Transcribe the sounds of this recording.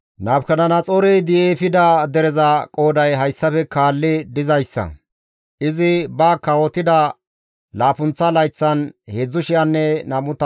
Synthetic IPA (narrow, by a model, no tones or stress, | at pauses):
naːbkɐnɐnɐt͡sʼoːɾɛjd̪ɪjefɪd̪ɐd̪ɛɾɛzɐkʼo̞ːd̪ɐjɦɐjsːɐfɛkaːlːɪd̪ɪzɐjsːɐ̰ | ʔɪzɪbɐkːɐwɔt̪ːɪd̪ɐ | laːpʊnt͡sːɐlɐjt͡sːɐnheːd͡zːʊʃɪjɐnːɛnɐmʊt̪ɐ